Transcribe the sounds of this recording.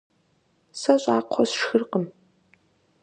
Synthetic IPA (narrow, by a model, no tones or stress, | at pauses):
sɐɕʼaːqʷʰɔsʂxɨrqəm